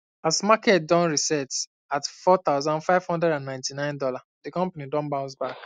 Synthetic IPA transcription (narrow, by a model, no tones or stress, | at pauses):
asmakɛt̚dɔ̃nɹisɛts | atfɔt̪aʊzãnfaɪv̥hɔ̃ndɹɛɾãnːãɪ̃ntinãɪ̃ndɔladekɔ̃mpanidɔ̃nbãʊ̃nsbak